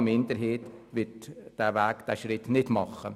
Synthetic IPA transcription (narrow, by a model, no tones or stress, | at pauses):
mɪnd̪əɾɦeːt̪ʋɪtd̥æːʋæːkd̥æʃɾɪtnɪdmɑχːə